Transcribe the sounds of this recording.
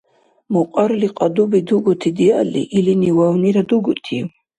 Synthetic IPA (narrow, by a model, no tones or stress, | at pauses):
muqʼaɾliqʼɑd̪ubid̪uɡut̪ʰid̪ialḭʔiliniwawniɾad̪uɡut̪ʰḭ